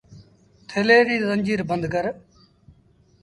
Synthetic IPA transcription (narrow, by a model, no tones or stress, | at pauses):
t̪ʰeleːɾiːzəɲd͡ʒiːɾbənd̪kəɾ